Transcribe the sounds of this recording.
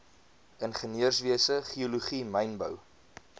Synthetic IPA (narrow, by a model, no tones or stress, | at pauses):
ənχəniərsviəsəχioluχimɛjnbə̰w